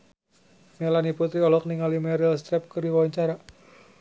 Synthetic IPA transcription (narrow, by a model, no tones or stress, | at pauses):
melaniput̪ɾiɔlɔk̚niŋalimɛɾilst̪ɾɛp̚kərdiwawaɲt͡ʃaɾa